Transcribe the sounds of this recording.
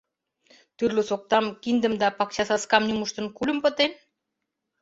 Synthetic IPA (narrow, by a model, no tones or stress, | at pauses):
t̪yrlɘ̆sok̚t̪ɑmkind̪ə̆md̪ɑpɑk̚t͡ɕɑsɑskɑmnʲumuʃt̪ɤ̆nkul̆ʲmpɤ̆t̪em